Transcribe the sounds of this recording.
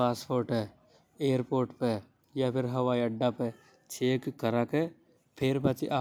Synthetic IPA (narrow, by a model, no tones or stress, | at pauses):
aːspoːɾʈe | eːəɾpoːɾʈpe | japʰɪɾɦɐʋaːiɐɖːape | t͡ʃʰeːkkːəɾake | pʰɪɾpɐt͡ʃiʔa